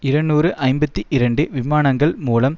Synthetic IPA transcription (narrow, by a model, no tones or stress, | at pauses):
ɪɾɐɳːuːrɯʔɐɪmbɐt̪ːiʔɪɾɐɳɖɯʋɪmaːnɐŋɡɐɭmuːlɐm